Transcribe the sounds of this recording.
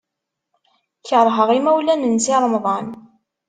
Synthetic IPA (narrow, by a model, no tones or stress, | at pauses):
çəɾˤɦəʁimæwlænənsiɾˤəmðˤɑn